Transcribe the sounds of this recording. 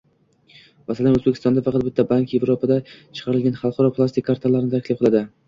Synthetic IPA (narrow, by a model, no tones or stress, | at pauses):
masalanɵzbekʲʰɪst̪ɒnd̪afɑqʰɑt̪̚bɪt̪ʰːabaŋkʲje̞vɾopʰad̪at͡ʃʰɨ̥qʰɑɾɪlɡʲanχɑlˠqʰɑɾɒpʰlˠast̪ɪkʰʲːaɾt̪ʰalːaɾɪnɪt̪ʰakʲlɪqʰɨlˠad̪ɪ